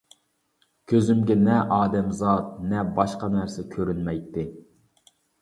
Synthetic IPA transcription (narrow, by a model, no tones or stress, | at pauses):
kʲʰøzymɡʲɛnɛʔɑːd̪ɛmzɑt̪̚nɛbɑʃqɑnæɾsɛkʲʰøɾynmɛjt̪ːɪ